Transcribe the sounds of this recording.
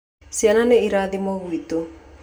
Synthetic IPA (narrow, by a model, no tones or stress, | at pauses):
sjananeiɾaðimɔɣwito